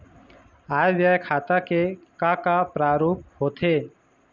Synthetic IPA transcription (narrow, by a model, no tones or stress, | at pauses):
aːjʋjaːjkʰaːt̪aːkekaːkaːpɾaːɾoːp̚hoːt̪ʰeː